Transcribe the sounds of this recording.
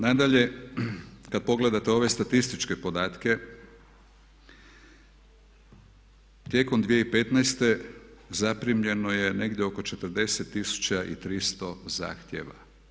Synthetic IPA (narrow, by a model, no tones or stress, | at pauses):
nad̪aʎe̞ | kad̪̚po̞ɡle̞d̪at̪eo̞ʋe̞st̪at̪ist̪it͡ʃke̞po̞d̪aːt̪ke̞ | t̪je̞ko̞md̪ʋijeipet̪najst̪e̞zapɾimʎe̞noje̞ne̞ɡd̪jeoko̞t͡ʃe̞t̪ɾd̪e̞set̪ːisu̥t͡ɕaʔḭt̪ɾist̪o̞za̰ːxt̪jḛʋa̰